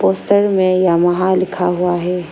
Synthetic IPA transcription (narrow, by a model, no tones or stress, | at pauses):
poːsʈəɾmẽjamɐɦalɪkʰaɦuaɦɛː